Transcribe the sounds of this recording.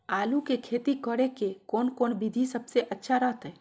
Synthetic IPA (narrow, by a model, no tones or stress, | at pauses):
aːlukekʰeːt̪ikəɽekekoːnkoːnbid̪ʱisəbseʔətːʃʰaɾəɦt̪ɦɛ